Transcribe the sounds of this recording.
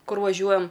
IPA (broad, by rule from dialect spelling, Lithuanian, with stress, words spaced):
ˈkʊr ʋɐˈʒʲuɔjɛm